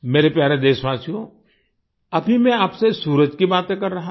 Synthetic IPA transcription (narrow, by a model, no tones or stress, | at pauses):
meːɾepjaːɾed̪eːʃʋaːsijõ | ɐbʱimɛ̃aːpsesuːɾəd͡ʒkibaːt̪ẽkɐɾːɐɦa